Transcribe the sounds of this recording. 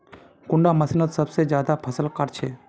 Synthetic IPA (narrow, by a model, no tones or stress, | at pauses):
kʊɳɖamɐsinət̪səbsed͡ʒjaːd̪apʰəsəlkəɾt͡ʃʰeː